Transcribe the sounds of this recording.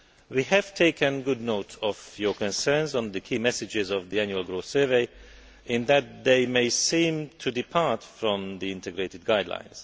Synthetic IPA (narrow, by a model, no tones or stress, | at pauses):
wihæv̥tʰeɪkʰɨ̃nɡʊd̚noʊtʰɔvjɔkɔ̃nsɜ˞nz̃n̩d̪ɨkʰiːmɛsɨd͡ʒɪzɔvðiæ̃njuəlˠɡɹoʊsɜ˞veɪ | ʔɨ̃nðæt̪̚ðeɪmeɪsĩːmtʰudipʰaɹtfɹɔ̃mðiɪ̃ntʰɛɡɹeɪtɨd̚ɡaɪdlã̰ɪ̃nz̥